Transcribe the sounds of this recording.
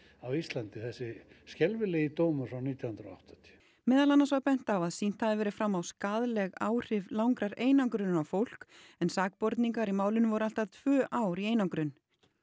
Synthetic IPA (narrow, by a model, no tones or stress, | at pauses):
awist̪lant̪ɪθɛsːɪscɛlvɪlejit̪oːwmʏsawniːt̪jawhʏnɾaɔa̰wht̪at̪ʰi̥ | mɛːðalanːasvaɣpɛn̥t̪awaðsin̥t̪haðɪvɛːɾɪfɾamːawskaːðlɛɣaːwr̥ɪvlawŋkɾaɾeːjnawŋkɾʏnnawfowl̥k | ɛnsaːk̚pɔɾt̪niŋkaɾimaːwlʏnvɔɾʏal̥t̪aðt̪ʰvœːʔaːwɾieːjnawŋkɾʏn